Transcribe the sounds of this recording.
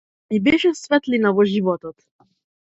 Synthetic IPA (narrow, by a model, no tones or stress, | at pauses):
ibɛʃɛsvɛt̪linavɔʒivɔt̪ɔt̪